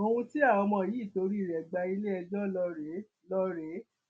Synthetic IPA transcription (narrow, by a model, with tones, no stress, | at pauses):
o˧ũ˧ti˦a˦˨ɔ˧mɔ̃˧˨ji˨˦˨to˧˦ɾi˦i˦˨ɾɛ˨ɡ͡ba˧i˧le˦ɛ˧d͡ʒɔ˦lɔ˧ɾe˨˦ | lɔ˦ɾe˨˦